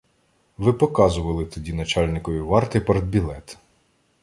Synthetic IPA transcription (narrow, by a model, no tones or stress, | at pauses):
ʋɪpɔkɑzʊʋɐlˠɪt̪ɔdʲinɐt͡ʃɑlʲnɪkɔʋʲiʋɑrt̪ɪpɐɾd̪bʲilˠɛt̪